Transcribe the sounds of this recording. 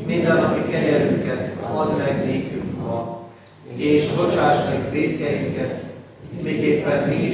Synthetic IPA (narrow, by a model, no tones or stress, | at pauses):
mind̪ɛnːɒpikɛɲɛɾyŋkɛt̪ɒd̪mɛɡleːkyŋkmɒ | eːʃbot͡ʃaːʃmiikʋeːt̪kɛjiŋkɛt̪ | miːkeːpːɛniː